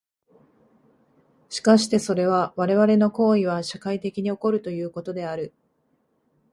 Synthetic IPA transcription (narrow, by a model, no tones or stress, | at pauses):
ɕi̥kaɕi̥t̪e̞so̞ɾe̞β̞aβaɾe̞βaɾe̞no̞ko̞ːiβ̞aɕakait̪e̞kʲiɲ̟io̞ko̞ɾɯ̟t̪o̞jɯ̟ːko̞t̪o̞d̪e̞aɾɯ̟